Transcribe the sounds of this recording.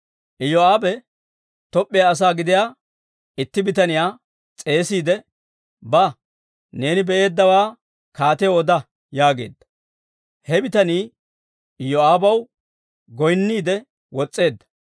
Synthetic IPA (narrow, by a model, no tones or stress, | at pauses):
ʔɪjɔaːbɛ | t̪ɔpʼːɪjaːs̬aːɡɪd̪ɪjaː | ɪt̪ːɪbɪt̪ɐnɪjaː | t͡sʼe̞ːsiːd̪ɛ | bɐ | ne̞ːnɪbɛʔe̞ːd̪ːɐwaː | kaːt̪ɛjoɔd̪ɐ | jaːɡe̞̰ːd̪ːɐ̥ | hɛbɪt̪ɐniː | ɪjɔaːbɐw | ɡɔjnːiːd̪ɛ | wɔt͡sʼːe̞ːd̪ːɐ̥